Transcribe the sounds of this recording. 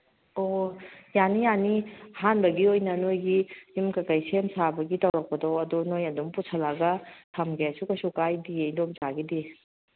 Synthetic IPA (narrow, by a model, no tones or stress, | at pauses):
ojanijanihanbɐɡiojnɐnojɡijimkakajsemsabɐɡitɐwɾɐk̚pɐdɔwɐdunojɐdumpusʰɐlaɡɐtʰamɡesukɐsukajdiejdop̚zaɡidi